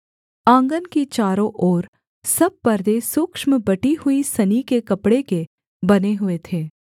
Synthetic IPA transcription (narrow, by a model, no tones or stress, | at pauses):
ãːŋɡənkit͡ʃaːɾõʔɔːɾ | sɐb̚pɐɾd̪esʊkʃməbɐʈihʊisɐnikekɐpɽeke | bɐneɦʊet̪ʰeː